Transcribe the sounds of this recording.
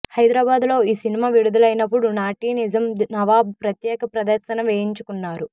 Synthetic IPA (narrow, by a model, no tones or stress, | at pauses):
hɐjd̪ɾaːbaːd̪lo̞ːiːsinimaːʋiɽud̪ulɐjnɐpːuɽunaːʈiːnid͡ʒɐmnɐʋaːb̚pɾɐt̪jɛːkɐpɾɐd̪ɐɾsɐnɐʋeːjiɲt͡ʃukunːaːɾu